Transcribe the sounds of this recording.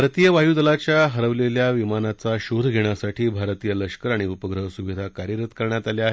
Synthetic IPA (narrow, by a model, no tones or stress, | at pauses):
ɾt̪ijəʋaɦjuːd̪əlat͡ɕjaɦəɾəʋleljaʋimanat͡saɕud̪ʱɡʱeɽ̃jasaʈʰiːbʱaɾt̪ijələʂkəɾaɽ̃iupəɡɾəɦsuʋid̪ʱakaɾjəɾət̪kəɾɳjat̪aljaɦ